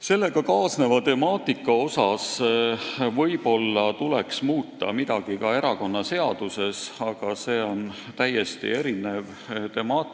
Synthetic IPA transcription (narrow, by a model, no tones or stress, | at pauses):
se̞lːe̞ɡ̥ɑkɑːsne̞vɑt̪e̞mɑːt̪ˑikːˑɑo̞sɑs | vɤjb̥o̞lːɑt̪ule̞ksmuːt̪ːˑɑ̰mid̪̥ɑɡ̥ikɑe̞ɾɑko̞nːɑse̞ɑd̪̥use̞sɑɡ̥ɑse̞ːo̞nt̪æjːe̞st̪ḭe̞ɾine̞v | t̪e̞mɑːt̪